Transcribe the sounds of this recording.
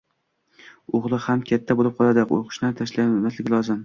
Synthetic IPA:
oʁlˠɪhamkʲʰat̪ʰːabolɪp̚qʰɒlˠad̪ɪqo̰qʰɨ̥ʃnant̪ʰaʃlaɡʲanmaslɪɡʲɪlɒzɪm

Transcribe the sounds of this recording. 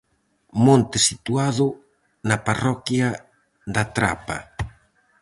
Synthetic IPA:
mõnt̪ɪsit̪uaðʊ | naparɔkja | d̪at̪ɾa̰pa̰

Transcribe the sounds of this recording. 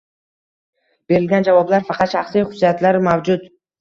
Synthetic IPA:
b̥e̞ɾɪlɡʲand͡ʒavɒblaɾfɑqʰɑt̪ʃaχsijχʊd̪ːat̪laɾmavd͡ʒʊt̪

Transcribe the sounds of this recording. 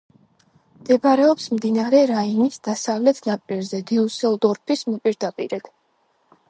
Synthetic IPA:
md̪̥ɛbaɾɛɔpsmd̪inaɾɛɾainisd̪̥asavlɛt̪ʰnapʼiɾzɛd̪iusɛlˠd̪ɔɾpʰismɔpʼiɾd̪apʼḭɾɛd̪̥

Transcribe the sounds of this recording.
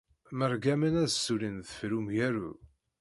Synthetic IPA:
məɾˤɡæmænæðsːulinðfɾumjæɾṵ

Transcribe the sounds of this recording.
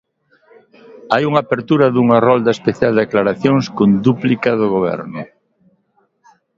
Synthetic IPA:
ajuŋaːpeɾt̪uɾɐðuŋarɔld̪aespeθjald̪eklaɾaθjoŋskond̪uplikaðʊɣoβ̞ɛ̰ɾnʊ

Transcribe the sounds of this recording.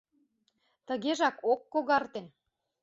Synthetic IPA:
t̪əɣeʒɑkokːoɣɑrt̪en

